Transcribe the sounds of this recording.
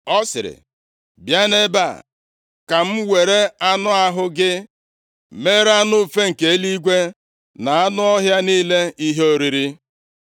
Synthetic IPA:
ɔ˦sɪ̰˨ɾɪ̰˨ | bja˦ne˦ba̰˦˨ | ka˨m̩˦we˨ɾe˦a˦nʊ˦a˦ɦʊ˦ɡɪ˦ | me˦ɾa˦nʊ˦˨fe˦ŋ̩˨ke˨˦li˦ɡʷe˦ | na˨a˦nʊ˦ɔ˦ɦja˦niː˦le˦i˦ɦe˦o˦ɾi˨ɾi˦

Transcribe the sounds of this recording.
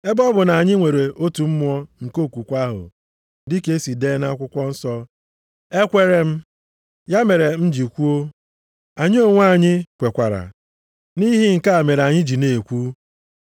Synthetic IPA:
e˦bɔ˦bʊ˨na˨a˨ɲɪ˦ŋʷe˨ɾe˨o˦tu˨m̩˦mʷ˦ɔ˦ŋ̩˨ko˦˨kʷu˨kʷa˦ɦʊ̰˨ | dɪ˦ke˦si˨deː˦na˦kʷʊ˦kʷɔ˦n̩˦sɔ˦ | e˦kʷe˦ɾe˦m̩˦ | ja˦me˨ɾe˨n̩˦d͡ʒi˨kʷu˦o˦ | a˨ɲɪ˦o˦ŋʷ˦a˦˨ɲɪ˦kʷe˨kʷa˨ɾa̰˨ | ni˦ɦi˦ŋ̩˨ka˦a˨me˨ɾa˨ɲɪ˦d͡ʒi˨ne˨e˨kʷu˦

